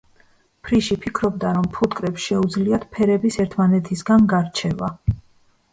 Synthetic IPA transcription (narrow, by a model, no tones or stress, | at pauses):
pʰɾiʃipʰikʰɾɔb̚d̪aɾɔmpʰut̪kʼɾɛpsʃɛud̪zliat̪pʰɛɾɛbisɛɾt̪ʰmanɛt̪ʰisɡanɡaɾt͡ʃʰɛva